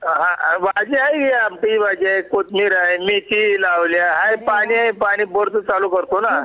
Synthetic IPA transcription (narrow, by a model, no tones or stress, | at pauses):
ɦãʋad͡ʒiajeamʈiʋad͡ʑiajkot̪miɾaemit̪ilaʋljaɦãjpaɽ̃iɦajpaɽ̃iːbəɾt̪t͡salukəɾt̪ona